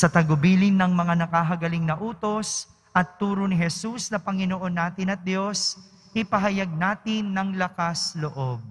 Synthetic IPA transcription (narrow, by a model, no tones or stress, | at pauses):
sɐt̪ɐɡʊbiːlɪnːɐŋmɐŋanɐkaɦɐɡɐlɪŋnɐʔuːt̪o̞s | ʔɐt̪ːuːɾonɪɦɛsusnɐpɐŋɪnoʔo̞nːaːt̪ɪnɐt̪̚d̪jo̞s | ʔɪpɐɦɐjaɡ̚naːt̪ɪnːɐŋlɐkasloʔo̞b̚